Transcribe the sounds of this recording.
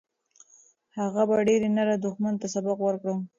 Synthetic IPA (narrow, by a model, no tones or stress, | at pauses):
haɣabaɖeɾenaɾad̪ʊxmant̪asabaqwəɾkɽə